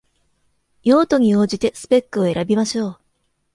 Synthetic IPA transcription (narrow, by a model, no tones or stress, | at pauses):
jo̞ːt̪o̞ɲ̟ioːd͡ʑit̪e̞sɨ̥pe̞kːɯ̟o̞e̞ɾabʲimaɕo̞ː